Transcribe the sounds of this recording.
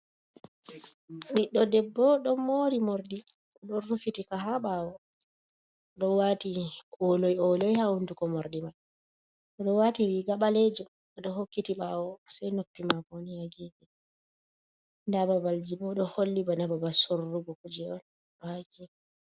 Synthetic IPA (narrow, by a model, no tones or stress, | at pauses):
ɗiɗːɔdɛbːɔɗɔmoɾimoɾdi | ɗɔːufitikaɦaɓawɔ | ɗɔwatiɔlɔjɔlɔjhawundukɔmoɾdimaj | ɔɗɔwatiwiɡaɓalɛd͡ʒɔ | ɔɗɔhokːitiɓaːwɔsajnopːimaboniaɡibɛ | ndababald͡ʒibɔɗɔholːibɔnababasoɾːuɡɔkud͡ʒɛɔn | ɗɔhaɡimɛ